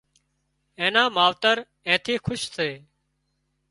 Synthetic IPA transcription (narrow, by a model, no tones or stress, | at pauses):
ẽːnãːmaːʋt̪əɾ | ẽːt̪ʰiːkʰʊʃsʰeː